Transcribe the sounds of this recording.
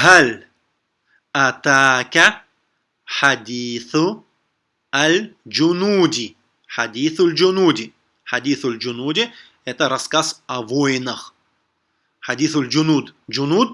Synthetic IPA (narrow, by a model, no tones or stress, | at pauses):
hɐlʲ | ɐt̪aːkʲɐ | ħad̪ʲiːθʊ | ɐld͡ʒʊnuːd̪ʲi | ħad̪ʲiːθʊlʲd͡ʒʊnuːd̪ʲi | ħad̪ʲiːθʊlʲd͡ʒʊnuːdʲi | ɛt̪əɾɐskasɐvɔjnɐx | ħadʲiːθʊlʲd͡ʒʊnud̪d͡ʒʊnuːd̪̚